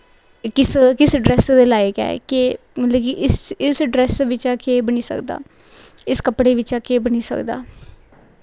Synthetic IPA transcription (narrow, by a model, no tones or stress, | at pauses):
kɪskɪsɖɾɛːsd̪eːlaːekɛ̰ːke | lekiʔɪsɪsɖɾɛːsʋɪt͡ʃaːkeːbəniːsə̰kd̪a̰ː | ɪskəpɽeːʋɪt͡ʃaːkeːbəniːsə̰kd̪a̰ː